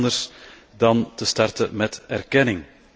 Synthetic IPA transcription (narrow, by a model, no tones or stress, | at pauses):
ndərs | dɑntəstɑrtəmɛtɛrkɛnɪŋ